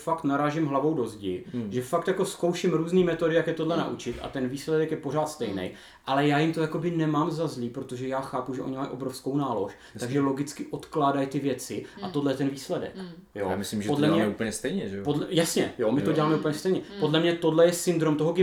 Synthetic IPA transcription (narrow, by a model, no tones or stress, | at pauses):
fakt̪naɾaːʒɪmɦlavo̞wdo̞zɟɪ̰ʒɛfakt̪jakoskowʃɪmɾuːzniːmɛt̪odɪjakjɛt̪o̞dlɛna̰ʔut͡ʃɪt̪ʔa̰t̪ɛnviːslɛdɛkjɛpo̞ɾ̝aːt̪st̪ɛjnɛ̰j | ʔalɛjaːjɪmt̪ojako̞bɪnɛmaːmzazliːpɾo̞t̪oʒɛjaːxaːpuʒɛʔo̞ɲɪmajʔo̞bɾo̞fsko̞wnaːlo̞ʃ | t̪aɡʒɛlo̞ɡɪt͡skɪʔo̞t̪klaːdajt̪ɪvjɛt͡sɪʔat̪odlɛjɛt̪ɛnviːslɛdɛ̰k | jo̰mɪslimʒpodlɛmɲɛup̩ɲɛst̪ɛjɲɛʒɛpodlɛjasɲɛjomɪt̪o̞ɟɛlaːmɛuplɲɛst̪ɛjɲɛpo̞dlɛmɲɛt̪o̞dlɛjɛsɪnd̪ɾomt̪oɦoɡɪ